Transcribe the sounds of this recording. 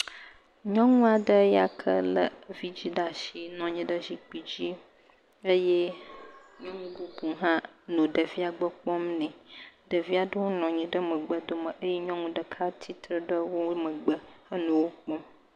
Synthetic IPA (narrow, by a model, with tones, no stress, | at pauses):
ɲɔ̃˦ŋũ˦a˨ɖə˦ja˦kʰə̰˦lə̰˦vi˦d͡ʑi˦ɖa˨ʃi˨nɔ̃˨ɲĩ˦ɖə˦zi˨k͡pi˨d͡ʑi˦ | ə˦je˦ | ɲɔ̃˦ŋũ˦bu˦bu˨ɦã˦nõ˨ɖə˨vi˦a˨ɡ͡bə˦k͡pɔ˦mnɛ̃˨ɖə˨vi˦a˨ɖə˦wo˦nɔ̃˨ɲĩ˨ɖə˦mə˨ɡ͡bə˨d̪o˨mə˨ʔə˦jɛ˦ɲɔ̃˦ŋũ˦ɖə˨kʰa˦t̪ʰi˦t̪ɾə˦ɖə˦wo˦mə̃˨ɡ͡bə˨ə˦nũ˨wo˦k͡pɔ̃˦m